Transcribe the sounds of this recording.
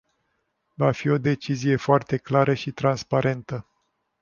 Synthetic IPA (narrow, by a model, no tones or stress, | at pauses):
vafio̞d̪e̞t͡ʃizije̞foart̪e̞klaɾəʃit̪ɾanspaɾe̞nt̪ə